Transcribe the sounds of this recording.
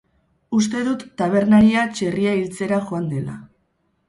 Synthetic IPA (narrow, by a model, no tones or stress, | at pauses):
ust̪e̞ðut̪ːaβ̞e̞ɾnaɾiat͡ʃe̞riailt͡se̞ɾaxoand̪e̞la̰